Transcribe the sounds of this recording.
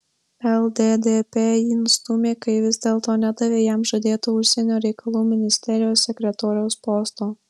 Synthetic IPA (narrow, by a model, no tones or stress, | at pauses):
ɛlˠd̪ʲed̪ʲepʲeːiɪnst̪ʊmʲeːkɐɪʋʲɪzʲd̪ʲeːlˠt̪oːnʲæd̪ɐʋʲeːjæmʒɐd̪ʲeːt̪oːʊʃʲsʲɛnʲoːɾʲɛɪkɐlˠuːmʲɪnʲɪsʲt̪ʲɛɾʲɪjoːsːʲɛkʲɾʲɛt̪oːɾʲɛʊspɔːst̪oː